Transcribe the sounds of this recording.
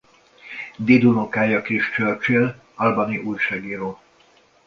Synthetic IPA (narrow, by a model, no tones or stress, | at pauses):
d̪id̪unokaːjɒkiʃt͡ʃørt͡ʃil | ɒlbɒniʔujʃaːɡiːɾoː